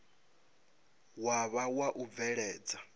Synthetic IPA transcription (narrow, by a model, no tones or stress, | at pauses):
waβawaʔub̪vɛɺɛːd͡za